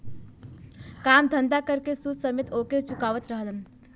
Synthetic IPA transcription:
kaːmd̪ʱənd̪akəɾkesud̪səmet̪oːket͡ʃukaːʋət̪ɾəɦələn

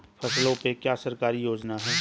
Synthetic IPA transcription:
pʰɐslõpekjaːsəɾkaːɾijoːd͡ʒnaɦɛː

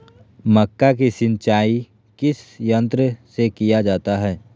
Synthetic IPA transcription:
mɐkːak̬isɪ̃nt͡ʃaːi | kɪsjə̃nt̪ɾəsekijad͡ʒaːt̪aɦɛː

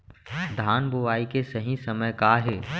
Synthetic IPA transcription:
d̪ʱaːnbʊʋaːikesɐɦĩsɐməjkaɦeː

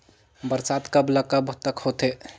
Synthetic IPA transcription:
bəɾsat̪kəbləkəbt̪əkhot̪e

